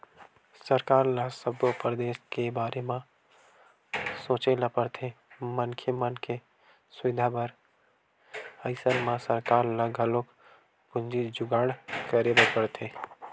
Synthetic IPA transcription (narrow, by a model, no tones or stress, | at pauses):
səɾkaːɾlasəbopɾd̪eːskebaːɾʔemã | sõːt͡ʃelapəɽt̪ʰe | mənkʰjəmənke | sʊɪd̪ʱabəɾ | əɪsəɾmãsəɾkaːɾlaɡʱəlok | pʊnd͡ʒid͡ʒʊɡaːɽkəɾebepəɾt̪ʰe